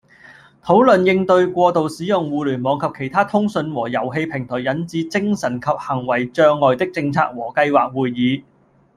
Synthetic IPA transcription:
t̪ʰo˨˥wlɵ˨njɪ˧ŋt̪ɵ˧ɥkʷɔː˧t̪o˨wsiː˨˥jʊ˨˩ŋwuː˨˧lyː˨˩nmɔː˨˥ŋkʰɐ˨p̚kʰe˨˩jt̪ʰaː˥t̪ʰʊ˥ŋsɵ˧nwɔː˨˩jɐ˨˩wɦe˧jpʰɪ˨˩ŋt̪ʰɔː˨˩jɐ˨˥nt͡siː˨˧˥t͡sɪ˥ŋsɐ˨˩nkʰɐ˨p̚hɐ˨˩ŋwɐ˨˩jt͡ʃœː˧ŋːɔː˨jt̪ɪ˥k̚t͡sɪ˧ŋt͡sʰa̰ː˧k̚wɔː˨˩kɐ˧jwaː˨k̚wuː˨jːiː˨˧

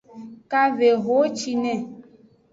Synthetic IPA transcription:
ka˦ve˨ɦo˨˦t͡ʃi˧nɛ̃˨

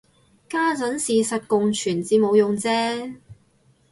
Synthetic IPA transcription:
kaː˥t͡sɐ˨˥nsiː˨sɐ˨t̚kʊ˨ŋt͡ʃʰyː˨˩nt͡siː˨˧mo˨˧wjʊ˨ŋt͡sɛː˥

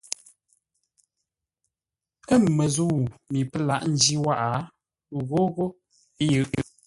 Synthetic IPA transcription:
kə˦˨m˨mə˨zu˦˨wmi˨pə˦la˦ʔn̩˦d͡ʒi˦wa˦ʔa˨ | ɣo˦ɣo˦ | jɨ˨ʔ

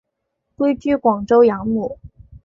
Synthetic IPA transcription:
kwe˥ɪt͡ɕy˥˩kwɑ˨˩ŋʈ͡ʂo˥ʊjɑ˧˥ŋmu˨˩˦

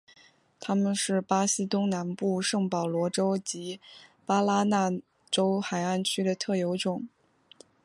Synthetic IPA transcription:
t̪ʰa˥mə˨nʂɻ̩˥˩pa˥ɕi˥t̪ʊ˥ŋna˧˥npu˥˧ʂɤ˥˩ŋpɑ˨˩ʊlwɔ˧˥ʈ͡ʂo˥ʊt͡ɕi˧˥pa˥la˥na˥˩ | ʈ͡ʂo˥ʊxa˨˩ɪa˥˩nt͡ɕʰy˥ɾə˨t̪ʰɤ˥˩jo˧˥ʊʈ͡ʂʊ˨˩˦ŋ

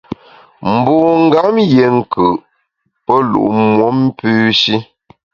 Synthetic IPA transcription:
m̩˨boː˨ŋ̩˦ɡa˨˦mje˨ŋ̩˦˨kɯ˨ʔ | pə˦lṵ˨ʔmwɔ˦m̩˦pʉː˦ʃi˦

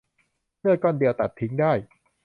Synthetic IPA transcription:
mʰɯ˥˩ɐkɔː˥˩ndi˧əwt̪a˨˩t̪ʰːi˦ŋdaː˥˩j

